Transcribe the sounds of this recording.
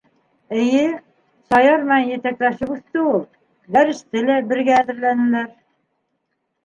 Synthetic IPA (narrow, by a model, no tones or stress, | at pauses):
ɘ̆jɘ | sɑjɑɾmɘ̆ænjɘ̆t̪æklæʃɘpʉθt̪ɘulˠ | d̪æɾɘ̆ʃt̪ɘlæbɘ̆ɾɡæːðɘ̆ɾlænɘ̆læɾ